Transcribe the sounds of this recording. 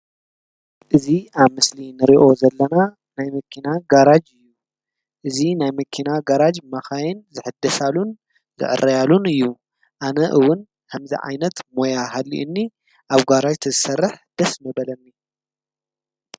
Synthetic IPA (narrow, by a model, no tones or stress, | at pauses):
ʔɨziaβmɨslinɨɾiʔo̞zɐlːɐna | najmɐkʰinaɡaɾad͡ʒɨjːu | ʔɨzinajmɐkʰinaɡaɾad͡ʒmɐxajɪnzɨħɨd̪ːɐsalun | zɨ̰ʔɨ̰rːɐjalunɨjːu | ʔanɐʔɨwʊn | kʰamzḭʕa̰jnɐt̪mo̞jaɦalːḭʔɨnːi | ʔaβɡaɾad͡ʒt̪ʰɨzɨsɐrːɨħd̪̥ɐsmɐbɐlɐnːi